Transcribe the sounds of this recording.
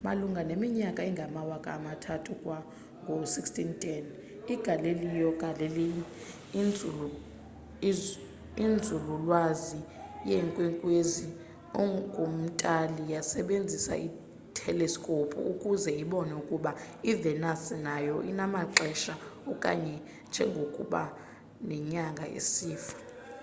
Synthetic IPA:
maluŋɡʱanemiɲakʼaiŋɡʱamawakʼa̰ːmatʰatʰukʼwa | ŋɡʱosikstʰʼintʰʼɛn | iɡ̥ʱalelijɔɡʼʱalelii | nd͡zʱulu | ind͡zʱululwazijɛŋkʼwɛŋkʼwezi | ɔɡʱum̩tʼalijasɛɓend͡zʱisa̰ʔi | tʰɛlɛskʼopʰʼṵukʼuzɛiɓɔnɛukʼuɓa | ivɛnasɛnajɔʔinamaǁɛʃaɔkʼa̰ɲɛ | nd͡ʒʱɛŋɡʱokʼṵɓa̰ | nɛɲaŋɡʱa̰ʔḛsiːfḁ

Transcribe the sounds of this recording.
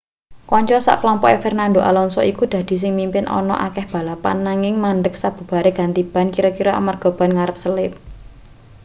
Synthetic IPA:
kɔɲt͡ʃɔsa̰klɔmpɔʔefɛrnand̪oʔa̰lɔnsɔikud̪̥ä̤d̪̥i̤s̬ɪŋmimpɪnʔɔ̰nɔ̰ʔa̰kɛhb̥a̤lapa̰nːaŋɪŋmanɖək̚sab̥ṳb̥a̤ɾeɡ̥a̤nt̪ib̥a̤nkiɾɔkiɾɔa̰marɡ̥ɔ̤b̥a̤nŋaɾəp̚səlɪp̚

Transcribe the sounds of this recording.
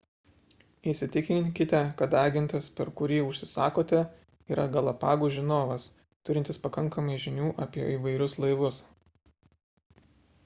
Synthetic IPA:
ɪˑʃsʲɪt̪ʲɪkʲɪkʲɪt̪ʲɛkɐt̪ɑːɡʲɪnʲt̪ʲɪspʲɛɾkʊɾʲiːʊʃʲsʲɪsɑːkoːt̪ʲɛ | iːɾɐɡɐlˠɐpɑːɡuːʒʲɪnoːʋɐs | t̪ʊɾʲɪnʲt̪ʲɪspɐkɐŋkɐmɐɪʒʲɪnʲuːʔɐpʲiɛiːʋɐɪɾʲʊslˠɐɪʋʊs

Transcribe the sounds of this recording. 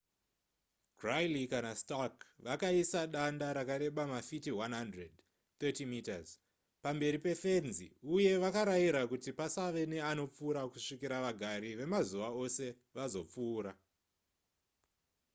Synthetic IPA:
ɡrajlikanastakʋakaisaɗandaɾakaɾe̞ɓamafitiwanɦandred | t̪etimitaz | pambe̞ɾipe̞fe̞nziuje̞ʋakaɾaiɾakutipasaʋe̞ne̞ano̞p͡fuːɾakuʂikiɾaʋaɡʱaɾiʋe̞mazuʋao̞se̞ | ʋazo̞p͡fuːɾa

